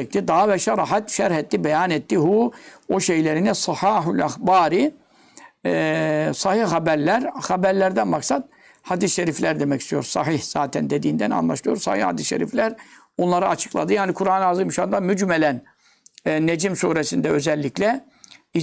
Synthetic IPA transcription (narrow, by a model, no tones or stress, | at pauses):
k̚t̪id̪ɑːavɛʃaɾˤɑħat̪ʃæɾhɛt̪ːibɛjanɛt̪ːiɦuːoʃejlʲeɾinɛsɑħaːɦulʲaxbaːɾi | sɑhihhabæɾlʲæɾhabæɾlʲæɾd̪ænmaksad̪̥̚ | had̪isʃeɾiflʲæɾd̪e̞mɛcʰist̪ʰijo̞̰ɾsɑɦihz̥aːt̪ʰɛnd̪e̞d̪iːnd̪æna̰nlˠa̰ʃlˠɯjo̞ɾsɑ̰hihha̰d̪isʃeɾḭflʲæɾ | onlˠaɾɯat͡ʃʰɯ̥klˠa̰d̪ɯjaːnikʰuɾaːnazɯmʃand̪amyd͡ʒmɛlʲæn | ned͡ʒimsuːɾesind̪ɛø̞zɛlʲːiclʲɛ | i